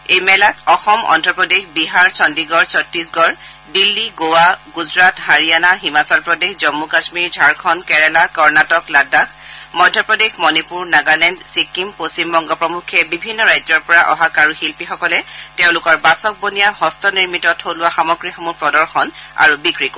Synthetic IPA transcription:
ejmɛlatɔxɔmɔ̰ndʱɹɔpɹɔdexbiɦaɹsɔndiɡɔɹsɔtːɹisɡɔɹ | dilːiɡowaɡuzɹathaɹijanaɦimasɔlpɹɔdexzɔmːukasmiɹd͡ʒʱaɹkʰɔnkɛɹɛlakɔɹnatɔkladaxmɔjdʱjɔpɹɔdexmɔnipuɹnaɡalɛndsikːimposimbɔŋɡɔpɹɔmukʰːɛbibʱinːɔɹajzɔɹpɔɹaʔɔ̰ɦakaɹuxilpixɔkɔlɛteʊ̃lʊkɔɹbasɔk̚bonijaɦɔstʰɔniɹmitɔtʰolʊwaxamɔɡɹixɔmupɹɔdɔɹxɔna̰ɹubikɹik

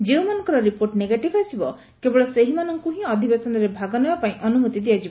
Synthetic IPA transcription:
d͡ʒeũmanɔ̃ŋkɔɾɔɾipoɾʈneɡaʈibʰʱasibɔ | kebɔɭɔseɦimanɔŋkuɦĩɔd̪ʱibesɔnɔɾebʱaɡɔnebapaĩʔɔnumut̪id̪ijad͡ʒibɔ

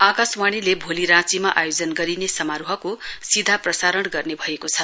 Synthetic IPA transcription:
akaswaɽ̃ilebʱoliɾãt͡simaʔajod͡zʌnɡʌɾinesʌmaɾuɦʌkosid̪ʱaprʌsaɾʌɽɡʌrnebʱʌekot͡sʰʌ

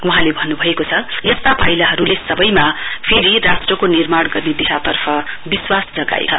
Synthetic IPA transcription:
wuɦãlebʱʌnːubʱʌekot͡sʰʌjest̪apʌjlaɦʌɾulesʌbʌjmapʰeɾirasʈrʌkonirmaɽɡʌrned̪isat̪ʌrpʰʌbiswasd͡zʌɡa̰ḛt͡sʰʌ

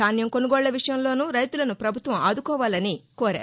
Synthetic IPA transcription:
aːnjɐmko̞nuɡɔːɭːɐʋiʂɐjɐmlo̞ːnuːɾɐjt̪ulɐnupɾɐbʱut̪ʋɐmaːd̪ukɔːʋaːlɐnikɔːɾa̰ː

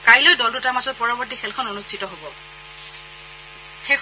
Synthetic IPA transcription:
kajlɔjdɔldutaɹmazɔt̚pɔɹɔbɔɹtixʰɛlkʰɔnonustʰitɔɦobɔ | xɛk

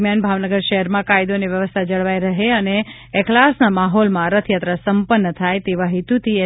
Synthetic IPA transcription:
mjanbʱaʋnəɡəɾʃəɦəɾmãkajd̪oniʋjəʋəst̪ʰad͡ʒəɭʋaiɾəɦeəneː | klasnamaɦɔlmãɾət̪ʰjat̪ɾəsəmpənːət̪ʰajt̪eʋaɦit̪ut̪ie

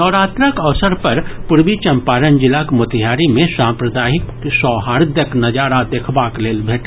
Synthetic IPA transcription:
nɔːɾaːt̪ɾəkɐʋsəɾpɐɾpʊɾwit͡ʃɐ̃mpaːɾənd͡ʒɪlakmʊt̪ɪɦjaːɾimẽsãːmpɾəd̪aːɦɪk | sɔːɦaːɾd̪jəknɐd͡ʒaːɾad̪eːkʰbaːkleːlbʱeːʈ

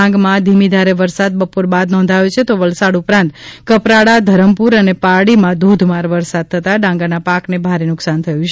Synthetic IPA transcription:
ãŋɡmãd̪ʱimid̪ʱaɾeʋəɾsad̪̚bəpoɾbad̪nɔ̃nd̪ʱajot͡ʃʰet̪oʋəlsaɖupɾãnt̪kəpɾaɽad̪ʱəɾəmpuɾənepaɽimãd̪ud̪ʱmaɾʋəɾsad̪̚t̪ʰət̪aɖãŋɡanapaknebʱaɾenʊksant̪ʰəjũt͡ʃʰ

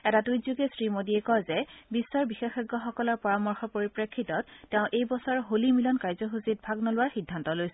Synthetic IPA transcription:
ɛtadujzuɡesɹimodiɛkɔjzɛbisːɔɹbixexɛɡːɔxɔkɔlɔɹpɔɹamɔɹxɔpoɹipɹekʰːitɔtːɛʊ̃ʔejbɔsɔɹɦolimilɔnkaɹzɔɦusit̚bʱaɡnɔlʊwaɹxidʱːantɔlojsɛ

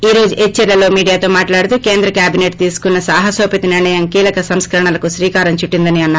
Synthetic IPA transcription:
iːɾo̞ːd͡ʒuʔet͡ʃːɛɾlɐlo̞ːmiːɽijaːt̪o̞ːmaːʈlaːɽut̪uke̞ːnd̪ɾɐkjaːbineʈ̚t̪iːsu̥kunːɐsaːɦɐsoːpit̪ɐniɾɳɐjɐmkiːlɐkɐsɐmskɐɾɐɳɐlɐkuʃɾiːkaːɾɐmt͡ʃuʈːind̪ɐniɐnːaː

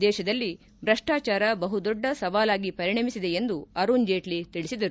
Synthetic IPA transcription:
d̪ɛːʃɐd̪ɐlːi | bɾɐʂʈaːt͡ʃaːɾɐbɐɦud̪ɔɖːɐsɐʋaːlaːɡipɐɾiɳɐmisid̪e̞end̪uɐɾund͡ʒeːʈlit̪iɭisid̪ɐɾu

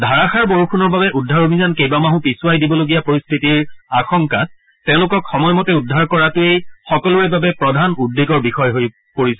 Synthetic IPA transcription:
dʱaɹaxaɹboɹukʰunɔɹbabɛʔudʱːaɹobʱizankejbamaɦũpisʊwajdibɔloɡijapoɹist̪ʰitiɹaxɔŋka | tɛ̃ʊ̃lʊkɔkxɔmɔjmɔtɛudʱːaɹkɔɹatʊejxɔkɔluebabɛpɹɔdʱanudːeɡɔɹbixɔjɦoj | poɹisɛ

